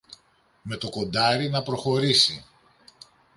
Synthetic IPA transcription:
me̞t̪o̞ko̞nd̪ɐɾinɐpɾo̞xo̞ɾisi

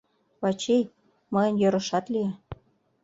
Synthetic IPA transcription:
βɑt͡ɕej | mɤjə̆njøɾə̆ʃɑt̪lie

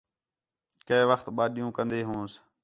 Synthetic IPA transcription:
keːʋəxt̪ɓaːɗijũːkə̃nd̪eːɦũːs

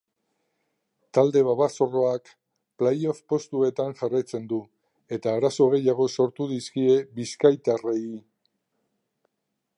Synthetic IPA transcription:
t̪ald̪e̞βaβaso̞ro̞ak | plejo̞fpo̞st̪ue̞t̪aŋʝarajt͡se̞nd̪u | e̞t̪aːɾaso̞ɣ̞e̞jaɣ̞o̞so̞ɾt̪uðiskie̞βiskajt̪arei

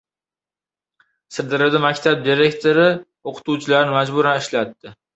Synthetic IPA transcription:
sɪɾd̪ɪɾɪd̪ɪmakʲt̪ʰab̚d̪iɾe̞kʲt̪ʰoɾɪ | oqʰʊ̥t̪ut͡ʃʰɪlaɾɪnɪmad͡ʒbʊɾanɪʃlat̪ːɪ

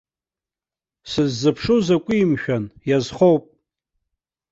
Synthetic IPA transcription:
sɨzːɨpʰʂuzakʷʼiimʃᶣanjazχowpʼ

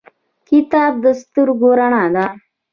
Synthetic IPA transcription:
kit̪aːb̚d̪əst̪uɾɡoɾaɳaːd̪a

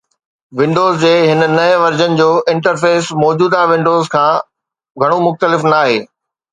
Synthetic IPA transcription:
ʋɪ̃ɳɖoːzd͡ʑeːɦɪnənɐʋɐɾd͡ʑənɪ̆d͡ʑoːɪ̃ɳʈəɾfeːsmɔːd͡ʑuːd̪aʋɪ̃ɳɖoːzkʰãː | ɡʱɐɽ̃omʊxt̪əlɪfnaːɦeː

